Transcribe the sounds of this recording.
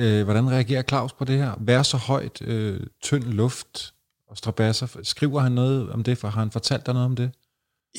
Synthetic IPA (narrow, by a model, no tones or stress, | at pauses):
øʋɒɾ̥ænʁɛæɡ̥e̝̰ːɐkʰlɑ̈ʊspʰɒ̽d̥e̝heɐ̰ʋæːɐsɒ̽hɒ̽ɪ̰d̥øt͡sʰœn̰lɔ̽fd̥ | ɒ̽sd̥ʁɑ̈b̥æsɐsɡ̥ʁiʊ̰ɐɦhænːɔ̽ːð̞̩ˠɒ̽md̥e̝fɦɑ̈hænfɒ̽t͡sʰæl̰d̥anɔ̽ːð̩ˠɒ̽md̥e̝